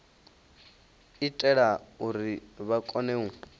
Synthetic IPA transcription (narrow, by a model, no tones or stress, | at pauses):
itʼɛɺauɾiβakʼɔneu